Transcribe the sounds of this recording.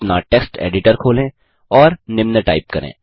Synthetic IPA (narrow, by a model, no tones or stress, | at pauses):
naʈeːksʈḛːɖɪʈəɾkʰoːlẽː | ɔːɾnɪmnəʈa̰ːɪp̚kɐɾḛ̃ː